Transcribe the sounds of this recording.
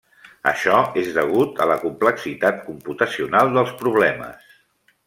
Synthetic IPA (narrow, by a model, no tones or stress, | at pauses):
ə̰ʃɔezðəɣ̞ut̪ə̰ləkumpləksit̪at̪̚kumput̪əsiunalˠd̪əlˠspɾuβlɛmə̰s